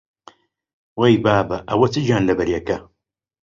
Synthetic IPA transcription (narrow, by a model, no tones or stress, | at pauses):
wɐjbaːbɐʔɐwɐt͡sɨd͡ʒaːnlɐbɐɾjɐkɐ